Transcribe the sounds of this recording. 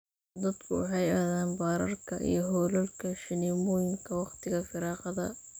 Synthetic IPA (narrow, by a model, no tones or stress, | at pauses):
d̪ɐd̪kʰʊwʊħɑjɐːðaːnbɑːɾɐ̰rkʰɐʔḭjɞɦɔlɐlkʰɐʃɪnimɔːjɪŋkʰɐwɑqt̪ʰɪɣɐfɪɾɑːqɑðɐ̰